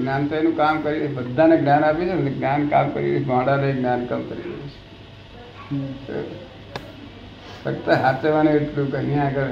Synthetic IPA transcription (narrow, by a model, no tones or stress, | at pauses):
ɡnjant̪əjnũkamkəɾibəd̪ʱːaneɡnjanapit͡ʃʰeeɡnjanka̰mkə̰ɾḭlḛt͡ʃʰmãːɽaneeɡnjankamkəɾḭɾḛet͡ʃʰe̥ | t̪o̰ | səkt̪əɦaseʋanẽeʈlũkənjãəɡəɾ